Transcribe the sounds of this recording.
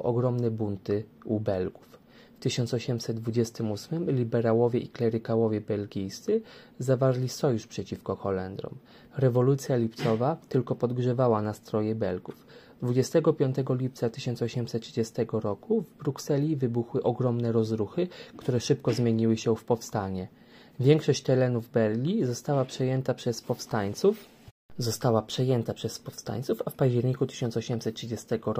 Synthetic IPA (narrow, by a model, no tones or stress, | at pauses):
ʔɔɡɾɔmnɛbunt̪ɘubɛlɡuf | ft̪ɘɕɔnsɔɕɛmsɛd̪̚d̪vud͡ʑɛst̪ɘmusmɘmlʲibɛɾawɔvʲjɛʔiklɛɾɘkawɔvʲjɛbɛlɡʲijst̪sɘ | zavaɾlʲisɔjuʂpʂɛt͡ɕifkɔxɔlɛnd̪ɾɔ̰m | ɾɛvɔlut̪sʲjalʲip̚t̪sɔvat̪ɘlkɔpɔd̪ɡʐɛvawanast̪ɾɔjɛbɛlɡuf | d̪vud͡ʑɛst̪ɛɡɔpʲjɔnt̪ɛɡɔlʲip̚t̪sat̪ɘɕɔnt̪sɔɕɛmsɛt̪t̪ːʂɘd͡ʑɛst̪ɛɡɔɾɔkuvbɾuksɛlʲivɘbuxwɘʔɔɡɾɔmnɛɾɔzɾuxɘkt̪uɾɛʂɘpkɔzmʲjeɲiwɘɕɛfpɔfst̪aɲɛ | vʲjɛŋkʂɔɕt͡ɕt̪ɛlɛnuvbɛɾlʲizɔst̪awapʂɛjɛnt̪apʂɛspɔfst̪aɲt̪suf | zɔst̪awapʂɛjɛnt̪apʂɛspɔfst̪a̰ɲt̪sufafpaʑd͡ʑɛɾɲikut̪ɘɕɔnsɔɕɛmsɛt̪̚tʂɘd͡ʑɛst̪ɛɡɔɾ